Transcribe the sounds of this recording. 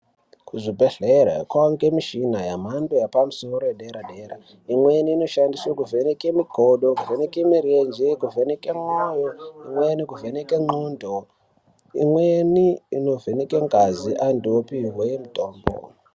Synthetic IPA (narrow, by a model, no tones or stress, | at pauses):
kuʐibʱe̞ɮeɾa̰kwawaŋɡemiʃinajam̤andojapamusoɾojeɗeɾaɗeɾa̰ | imweniːno̞ʃandiswakuvenekemiɡʱoɗokuvenekemiɾend͡ʒekuvenekemojoimwenikuvenekeŋ͡ǃundʱo | ḭmweniino̞venekeŋɡaziʔandiopiɦwejemutoːmbo̰